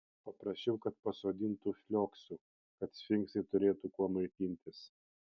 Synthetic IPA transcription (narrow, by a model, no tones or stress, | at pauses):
pɐpɾɐʃʲt͡ʃʲɛʊkɐt̪̚pɐsoːd̪ʲɪnt̪ufʲlʲoːksuː | kɐt̪sfʲɪŋksʲɛɪt̪ʊɾʲeːt̪ukuɔmɐɪt̪ʲinʲt̪ʲɪs